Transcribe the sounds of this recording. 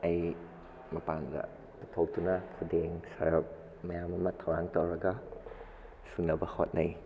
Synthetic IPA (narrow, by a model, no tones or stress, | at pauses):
aj | mɐpanda̰ | tupʰawtunakʰudeŋsa̰jɔk̚ | mɐjamɐmɐt̪ʰawɾaŋtowɾɐɡa | suŋlabɐhot̚naj